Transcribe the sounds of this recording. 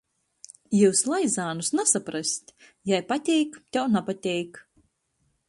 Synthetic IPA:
juːslˠaj̪zaːnusnasapɾasʲt̪ʲ | jajpat̪ʲɛjkt̪ʲɛwnapat̪ʲɛjk

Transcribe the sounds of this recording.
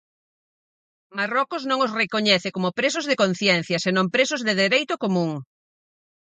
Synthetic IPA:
marɔkʊznõŋosrekoɲɛθɪkomʊpɾes̬ʊzðɪkonθjɛn̟θjɐsenõmpɾesʊzðɪðeɾejt̪ʊkomũŋ

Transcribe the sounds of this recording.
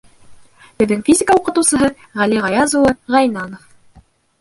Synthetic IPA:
b̥ɘ̆ðːɘŋfʲizʲɪkəuqɤ̆t̪ɤ̆wsɤ̆ɦɤ | ʁæliʁɑjɑzuwɤʁɑjnɑnof

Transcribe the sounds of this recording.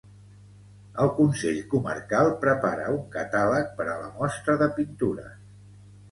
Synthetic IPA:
əlˠkunseʎkumə̰rkalˠpɾəpaɾə̰uŋkət̪alək̚pəɾələmɔst̪ɾəðəpint̪uɾə̰

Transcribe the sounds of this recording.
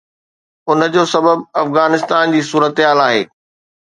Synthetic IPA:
ʊnə̆d͡ʑoːsɐbəbɐfɣaːnɪst̪aːnd͡ʑiːsuːɾət̪ɪɦaːlaːɦḛː

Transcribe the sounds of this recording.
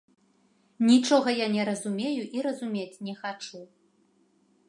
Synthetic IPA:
nʲit͡ʂɔɣɐjanʲɛɾɐzumʲejuʔiɾɐzumʲet͡sʲnʲɛxat͡ʂu

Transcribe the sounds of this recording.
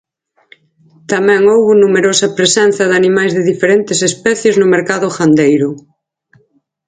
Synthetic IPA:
t̪amɛ̃ŋowβʊnumeɾosɐpɾesɛn̟θɐðanimajzðɪðifeɾɛnt̪ɪsespɛθjeznʊmeɾkaðʊxand̪ejɾʊ

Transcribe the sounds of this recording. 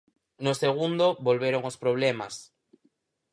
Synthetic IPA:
noseɣ̞und̪obolβeɾoŋospɾoβ̞lemas

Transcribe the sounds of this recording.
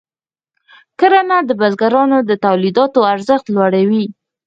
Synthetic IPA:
kəɾanad̪əbazɡaɾɑnod̪ət̪awlid̪ɑt̪oaɾzəxt̪lwaɽawi

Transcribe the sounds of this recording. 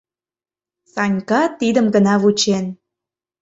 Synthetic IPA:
sɑnʲkɑt̪id̪əmɡə̆nɑvut͡ɕen

